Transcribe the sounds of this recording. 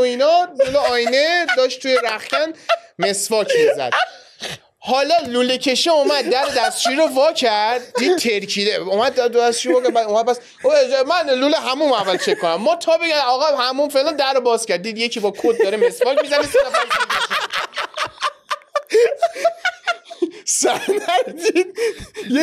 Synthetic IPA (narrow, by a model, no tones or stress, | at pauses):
oinɒloloɒːjned̪ɒːʃt̪t̪ʰːujeɾæχcænme̞svɒːcʰmezæ̰d̪̥̚ | hɒːlɒlulecʰe̞ʃeumæd̪̚ːæɾed̪æst͡ʃʰiɾovɒːcʰæɾd̪̚d̪iːd̪t̪ʰeɾkʰileumæd̪̚d̪æst͡ʃʰivɔːkæbæd̪umæd̪̚pʰæs | mænluleɦæmumævːælt͡ʃʰekʰːonæmːɔːt̪ʰɒːbeɡæɒːɣɛhæmumfelænd̪æɾːobɒːzcʲæɾd̪iːd̪jecʰibɒːkʰod̪̚d̪ɒːɾemesfɒːkmizænesenæfæɾtæʃia | sænæɾd̪id̪̥̚